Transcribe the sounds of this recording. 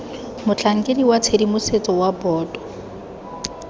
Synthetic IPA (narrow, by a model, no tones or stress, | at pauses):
mʊt͡ɬʰaŋ̩kʼediwat͡sʰedimʊset͡sʼɔwabɔːdɔ̥